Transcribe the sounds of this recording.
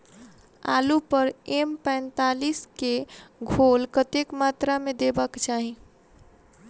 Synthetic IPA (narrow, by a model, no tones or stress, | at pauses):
a̰ːlupəɾempɛ̃ɪnt̪aːliskeɡʱolkət̪ekmat̪ɾamẽd̪ebəkt͡ʃaːɦi